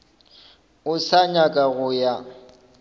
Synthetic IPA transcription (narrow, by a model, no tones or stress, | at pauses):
ʊsaɲakʼaɣʊja